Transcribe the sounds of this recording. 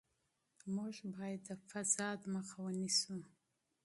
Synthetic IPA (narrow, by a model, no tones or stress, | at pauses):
muʐbɑjad̪ːəfasɑd̪məxawənisu